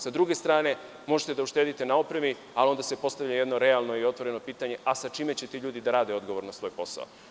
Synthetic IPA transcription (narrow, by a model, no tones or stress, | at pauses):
sad̪ɾuɡe̞st̪ɾaːne̞ | mo̞ʒet̪ed̪auʃt̪e̞ːd̪it̪e̞naopɾemi | alio̞nd̪ase̞po̞st̪avʎaje̞d̪noɾe̞alˠno̞io̞t̪vʋo̞ɾe̞no̞piːt̪aɲe̞ʔasat͡ʃiːme̞t͡ɕet̪iʎuːd̪id̪aɾaːd̪eo̞d̪ɡo̞ʋo̞ɾnasʋo̞ːjpo̞sa̰o